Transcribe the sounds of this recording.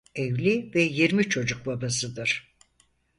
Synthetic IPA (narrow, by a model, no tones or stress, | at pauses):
evlʲivɛjeɾmit͡ʃʰo̞d͡ʒuk̚babasɯd̪ɯɾ̥